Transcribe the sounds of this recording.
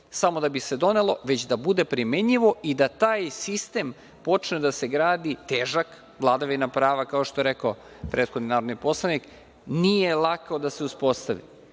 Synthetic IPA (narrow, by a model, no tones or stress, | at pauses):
samo̞d̪abise̞d̪o̞ne̞lˠo̞ʋet͡ɕd̪abud̪e̞pɾimeɲiʋo̞ʔid̪at̪aːjsist̪e̞m | po̞t͡ʂned̪ase̞ɡɾaːd̪it̪eːʒak | ʋlˠad̪aʋinapɾaːʋakaoʃt̪o̞je̞ɾekao | pɾet̪xod̪ninaːɾo̞d̪nipo̞slˠanik | nije̞lˠakaod̪ase̞uspo̞st̪aʋḭ